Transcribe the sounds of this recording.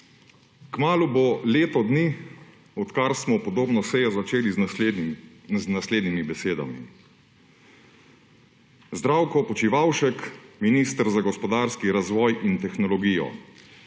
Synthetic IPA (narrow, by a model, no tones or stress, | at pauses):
kmaːluboleːt̪ɔd̪ni | ɔt̪kaɾsmɔpɔd̪oːbnɔsɛjɔzat͡ʃeːli | znasleːd̪nimibɛseːd̪a̰mḭ | zd̪ɾaːwkɔpɔt͡ʃiʋawʃɛkminist̪əɾzaɡɔspɔd̪aːɾskiɾazʋɔːjʔint̪ɛxnɔlɔɡiːjɔ̰